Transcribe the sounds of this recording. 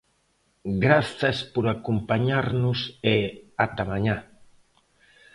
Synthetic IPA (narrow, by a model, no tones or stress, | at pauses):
ɡɾaθaspoɾakompaɲaɾnuseat̪amaɲa